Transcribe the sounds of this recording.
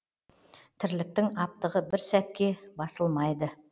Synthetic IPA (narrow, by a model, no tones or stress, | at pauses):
t̪ʰɪɾlɪk̚t̪ɪŋɑp̚t̪əʁəbɪɾsæt̪̚kʲe̞bɑsəlˠmɑjd̪ə